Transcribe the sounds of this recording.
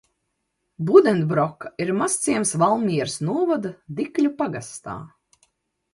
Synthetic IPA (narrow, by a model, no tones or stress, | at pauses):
bud̪ɛnt̪bɾɔkːḁiɾmast̪siɛmsvalˠmʲiɛɾsnuɔvad̪ad̪iklʲupaɡast̪a̰ː